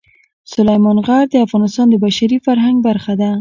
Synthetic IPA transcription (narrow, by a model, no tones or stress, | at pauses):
sʊlajmɑnɣaɾd̪əafɣɑnɪst̪ɑnd̪əbaʃaɾifaɾɦaŋɡ̚baɾxad̪a